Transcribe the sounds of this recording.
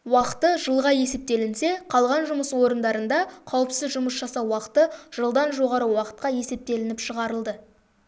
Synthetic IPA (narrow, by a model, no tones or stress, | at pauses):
wɑqə̥t̪əʒəlˠʁɑje̞se̞p̚t̪e̞lɪnse̞qʰɑlˠʁɑnʒʊməswo̞ɾənd̪ɑɾənd̪ɑqʰɑwəpsɪzʒʊməsʒɑsɑwɑqə̥t̪əʒ̥əlˠd̪ɑnʒo̞ʁɑɾəwɑqə̥t̪̚qɑje̞se̞p̚t̪e̞lɪnɪpʃəʁɑɾəlˠd̪ə